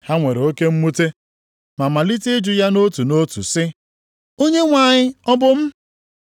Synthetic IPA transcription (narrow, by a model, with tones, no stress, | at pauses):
ha˦ŋʷe˨ɾe˨o˦ke˦m̩˦mu˦te˦ | ma˨ma˨li˦tɪ˦d͡ʒʊ˨ja˦no˦tu˨no˦tṵ˨sɪ˦ | o˦ɲe˦ŋʷa˨ɲɪ˦ɔ˦bʊ˦m̩˦